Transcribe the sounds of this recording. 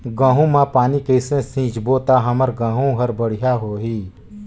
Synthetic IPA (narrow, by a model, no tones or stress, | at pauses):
ɡãːɦũmãpaːnikeɪsẽsĩːt͡ʃboːt̪aɦɐməɾɡãːɦũɦəɾbəɽ̤ɪjaɦoːɦiː